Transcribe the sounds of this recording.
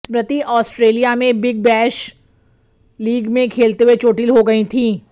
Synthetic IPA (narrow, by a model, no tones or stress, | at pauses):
pɾət̪iʔɔːsʈɾeːlijamẽbɪɡ̚bɛːʃ | liːɡmẽkʰeːlt̪eɦuwet͡ʃoːʈilɦoɡɐit̪ʰĩː